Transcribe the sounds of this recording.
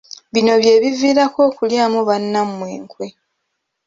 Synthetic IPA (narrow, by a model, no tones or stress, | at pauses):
βino̞βje̞ːβiviːɾako̞ːkuljaːmoβanːamwe̞ːŋkwe̞